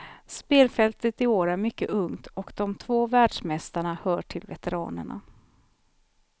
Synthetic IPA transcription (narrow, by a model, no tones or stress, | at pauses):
speːlfɛlt̪ət̪ɪoːɾæɾmʏkːə̰ʔɵŋt̪ʰɔkd̪̥ɔmt̪ʰvoːvæːɖʂmɛst̪aɳahœːʈʰɪlvɛt̪ɛɾɑ̰ːnə̰ɳa̰